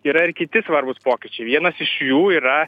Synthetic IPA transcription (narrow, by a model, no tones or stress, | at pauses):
iːɾɐɪrkʲɪt̪ʲɪsʋɐɾbʊspoːkʲɪt͡ʃʲɛɪʋʲiɛnɐsɪʃjuːiːɾɐ